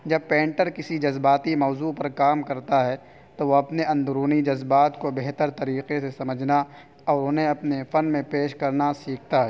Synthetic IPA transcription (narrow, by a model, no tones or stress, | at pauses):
d͡ʒɐb̚pẽːɳʈəɾkɪsid͡ʒɐzbaːt̪imɔːzupɐɾkaːmkɐɾt̪aɦɛ | t̪oʋoɐpneʔɐ̃nd̪ʊɾuːnid͡ʒɐzbaːt̪kobeɦt̪əɾt̪ɐɾiːqesesɐməd͡ʒʱna | ɔːɾʊnɦẽɐpnefɐnmẽpeːʃkɐɾnasiːk̚ʰt̪aɦɛː